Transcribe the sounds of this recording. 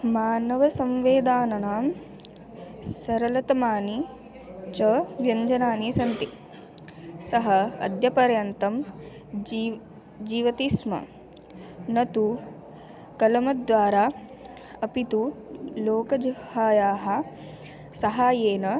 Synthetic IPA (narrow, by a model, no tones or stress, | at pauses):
maːnɐʋɐsɐmʋeːd̪aːnɐnaːm | sɐɾɐlɐt̪ɐmaːni | t͡ʃɐʋjɐɲd͡ʒɐnaːnisɐnt̪i | sɐɦɐɐ̰d̪ʱjɐpɐɾjɐnt̪ɐm | d͡ʒiːʋɐt̪ismɐ̰ | nɐt̪u | kɐlɐmɐd̪ʋaːɾaː | ɐpit̪uloːkɐd͡ʒhaːjaːɦɐ | sɐɦaːjeːnɐ